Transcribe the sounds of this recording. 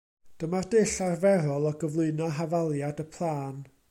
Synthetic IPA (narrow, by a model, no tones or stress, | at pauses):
d̥əmardɪɬarvɛɾɔlˠɔɡəvlˠʊɨnɔɦavalˠjadəpʰlˠaːn